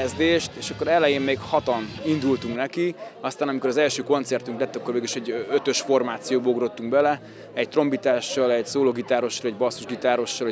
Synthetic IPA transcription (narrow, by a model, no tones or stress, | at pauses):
ɛzd̪eːʃt̪eːʃɒkːo̞ɾɛlɛjeːmmeːkhɒt̪ɒnind̪ult̪uŋknɛkiɒst̪aːnɒmiko̞ɾɒzɛlʃøːko̞nt̪sɛrt̪yŋklɛt̪ːɒkːo̞rveːɡiliʃɛɟːøt̪ø̞ʃfo̞rmaːt̪sijoːboɡɾo̞t̪ːuŋkbɛlɛ | ɛc̚t̪ro̞mbit̪aːʃːɒlɛɟsoːloːɡit̪aːɾo̞ʃːɒlɛɟbɒsːuʒɡit̪aːɾo̞ʃːɒl